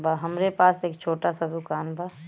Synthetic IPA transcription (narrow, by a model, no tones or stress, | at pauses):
baɦɐmɾepaːseːkt͡ʃʰoːʈasad̪ʊkaːnbʱaː